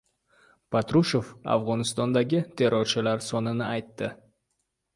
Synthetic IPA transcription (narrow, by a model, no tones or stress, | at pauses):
pʰat̪ɾuʃo̞fa̰vʁɒnɪst̪ɒnd̪aɡʲɪt̪ʰe̞ɾɒɾt͡ʃʰɪlaɾsɒnɪnɪajt̪ːɪ